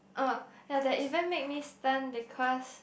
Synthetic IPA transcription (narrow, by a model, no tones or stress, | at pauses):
ʔojadɛʔivə̃nmek̚mistãnbikʰɔs